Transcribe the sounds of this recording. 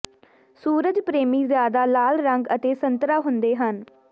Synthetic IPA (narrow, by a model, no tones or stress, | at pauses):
suːɾəd͡ʒpɾeːmiːzjaːd̪aːlaːlɾəŋɡət̪eːsənt̪ɾaːɦʊnd̪eːɦən